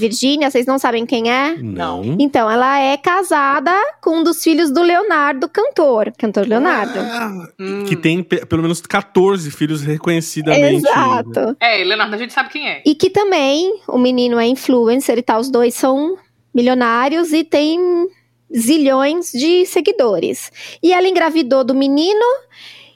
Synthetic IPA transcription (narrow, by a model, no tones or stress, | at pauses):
viɾʒĩnjɐseznɐ̃w̃sabẽj̃kẽj̃ɛnɐ̰̃w̃ẽnt̪ɐ̃w̃ɛlɐɛkazad̪ɐkõũd̪ʊsfiʎʊzd̪ʊleonaɾd̪ʊkɐ̃nt̪oɾkɐ̃nt̪oɾleonaɾd̪ʊ | kɪt̪ẽj̃pepelomẽnʊskat̪oɾzɪfiʎʊshekõɲesid̪ɐmeẽzatt̪ʊɛleonaɾd̪ʊɐʒẽnt͡ʃɪsabɪkẽj̃ɛɪkɪt̪ɐ̃mbẽj̃ʊ̰minĩnʊɛĩfluẽseɾɪt̪aʊzd̪ojsːɐ̃w̃ | miʎonaɾjʊzɪt̪ẽj̃ | ziʎõj̃zd͡ʒɪseɡid̪oɾɪ̰sɪɛlɐɪĩŋɡɾavid̪od̪ʊminĩnʊ